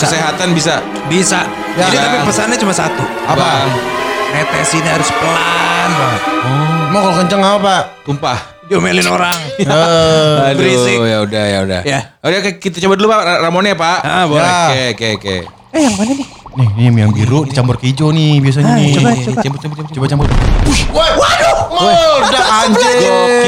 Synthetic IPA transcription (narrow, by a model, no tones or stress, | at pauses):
kəseɦat̪anbis̬a | bisa | ad͡ʒt̪apipəsanɲat͡ʃumasa̰t̪u | aba | net̪esiniaɾʊspəlanəmakalokəɲt͡ʃaŋaapaʔt̪umpah | d͡ʒomelɪnoɾaŋəadɾisɪjaudahjauda̰hjaudakkit̪at͡ʃabat̪̚lupaaramoneapaʔbkekekḛ | jaŋbananɪ | nɪhnimjaŋbiɾudit͡ʃambʊrkəid͡ʒonibias̬aɲniat͡ʃambʊt͡ʃambt͡ʃt͡ʃobat͡ʃambʊrbaawawadomwadaaɲd͡ʒt͡ʃe